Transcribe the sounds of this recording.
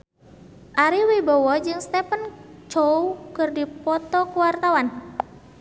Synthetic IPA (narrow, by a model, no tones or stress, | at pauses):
ʔaɾiwibɔwɔd͡ʒɨŋst̪ɛpənt͡ʃowkɨrdipɔt̪ɔkuwart̪awan